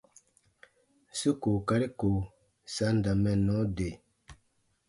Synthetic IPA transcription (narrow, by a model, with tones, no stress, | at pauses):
su˦ko˨ka˦ɾi˦ko˨ | sa˦nda˨mɛ˦˨nɔ˦de˨